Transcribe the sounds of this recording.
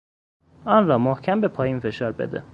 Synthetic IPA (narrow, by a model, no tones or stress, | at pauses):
ʔɒːnɾɒːmohcʰæmbe̞pʰɒːjiːnfe̞ʃɒːɾbḛd̪ḛ